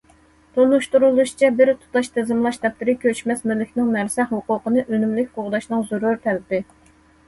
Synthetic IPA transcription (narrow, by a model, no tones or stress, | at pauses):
t̪ʰonuʃt̪uɾulˠuʃt͡ʃʰɛbɪɾt̪ʰu̥t̪ɑʃt̪ʰɪzɪmlˠɑʃd̪ɛp̚t̪ɪɾɪkʲʰøt͡ʃmɛsmɪlːɪkʲnɪŋnæɾsɛhuqʊqənɨʔønymlɪkʲqʊʁd̪ɑʃnɨŋzuɾuɾt̪ʰɛlɪpɪ